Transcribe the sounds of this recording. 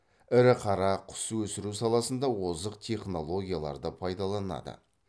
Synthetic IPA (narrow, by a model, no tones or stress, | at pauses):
ɪɾɪqʰɑɾɑqʰʊ̥swɵsɪɾusɑlˠɑsənd̪ɑwozəqt̪ʲʰe̞χno̞lˠo̞ɡʲijalˠɑ̰ɾd̪əpʰɑjd̪ɑlˠɑnɑ̰d̪ə̰